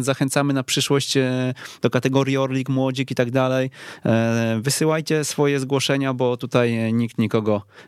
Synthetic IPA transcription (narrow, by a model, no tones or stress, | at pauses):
zaxɛnt̪samɘnapʂɘʂwɔɕt͡ɕd̪ɔkat̪ɛɡɔɾjiɔɾlʲikmwɔd͡ʑikit̪aɡd̪alɛj | vɘsɘwajt͡ɕɛsfɔjɛzɡwɔʂɛɲabɔt̪ut̪ajɲik̚t̪ɲikɔɡɔ